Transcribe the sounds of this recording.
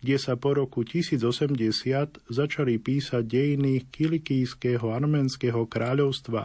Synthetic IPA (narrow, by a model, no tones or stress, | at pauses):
ɡɟɛsapɔɾɔkucisiːd͡zɔsɛmɟɛsɪat̪zat͡ʃalipiːsaɟ̚ɟɛjinikilikijskɛːɦɔaɾmɛːnskɛɦɔkɾaːʎɔʊst̪ʋa̰